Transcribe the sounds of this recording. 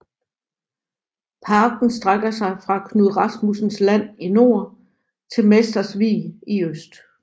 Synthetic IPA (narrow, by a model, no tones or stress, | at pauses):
pʰɑ̈ːɡ̥n̩sd̥ʁaɡ̥ɐsɑ̈ɪfʁɑ̈kʰnuðˠʁɑ̈smusn̩slæn̰ino̝ɐ | t͡sʰe̝lmesd̥ɐsʋḭːiøsd̥